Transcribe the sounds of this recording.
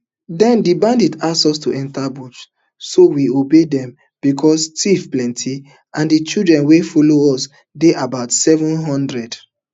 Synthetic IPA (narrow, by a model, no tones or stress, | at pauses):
dɛ̃ndibãndidassɔstuʔɛ̃ntabut | sowiobedɛ̃m | b̥ikʰɔstifplɛ̃ntʰi | ãndit͡ʃildɹɛ̃nwefɔloɔs | deʔabaʊtsɛvɔ̃nɦɔ̃ndɹɛd